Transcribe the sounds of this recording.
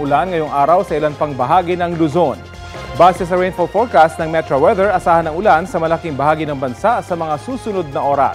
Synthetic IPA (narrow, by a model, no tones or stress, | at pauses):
ʔʊlanŋɐjoŋʔaːɾɐwsɐʔɪlanpɐŋbɐɦaːɡinɐŋlʊzon | baːsɛsɐɹɛjnfolfoɹkast̪̚nɐŋmɛt̪ɾɐwɛðɛɹʔɐsaːhɐnɐŋʊlansɐmɐlɐkiŋbɐhaːɡinɐŋbɐnsaʔsɐmɐŋasuːsʊnod̪̚nɐʔo̞ːɾɐ̰